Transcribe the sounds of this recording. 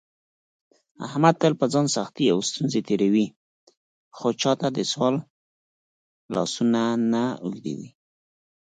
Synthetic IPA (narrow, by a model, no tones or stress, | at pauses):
a̰hmad̪̚t̪əlpəd͡zɑnsaxt̪ia̰wst̪unzet̪eɽawi | xot͡ʃɑt̪ad̪əswɑl | lɑ̰sunanaṵld̪ḛwḭ